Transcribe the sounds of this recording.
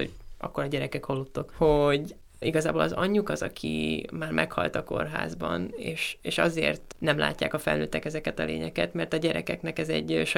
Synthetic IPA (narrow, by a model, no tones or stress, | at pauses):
o̰̥ʔɒ̰kːoɾɒɟɛɾɛkɛkholːut̪ːokhoɟ | iɡɒzaːboːlɒzɒɲːukɒzɒkʰḭmaːrmʔɛkhɒlt̪ɒko̞rɦa̰ːzbɒneːʃeːʃɒzeːrt̪nɛmla̰ːcːaːkɒfɛlnøːt̪ːɛkɛzɛkɛt̪ɒlḛːɲɛkɛt̪mɛrt̪ɒɟɛɾɛkɛknɛkɛzɛɟʃ